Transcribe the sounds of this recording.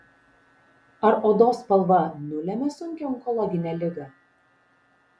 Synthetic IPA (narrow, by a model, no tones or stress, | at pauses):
ɐɾod̪oːspɐlˠʋɐnʊlʲɛmʲɛsʊŋʲkʲɔmkɔlˠɐɡʲɪnʲɛlʲɪɡɐ